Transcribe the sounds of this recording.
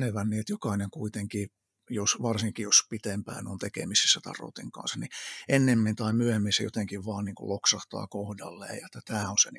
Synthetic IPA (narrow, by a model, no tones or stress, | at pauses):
neʋænːiet̪jokɑineŋkuit̪eŋki | josʋɑrsiŋkijospit̪empæ̰ːno̰nt̪ekḛmise̥sːæt̪ɑ̰ro̰t̪iŋkɑ̰nsɑniʔenːemːint̪ɑimyøhemːinsḛjo̰t̪eŋkiʋʋɑːnniːŋkṵllʔoksɑht̪ɑ̰ːkohdɑ̰lːḛːjjɑet̪ːæt̪æːonseni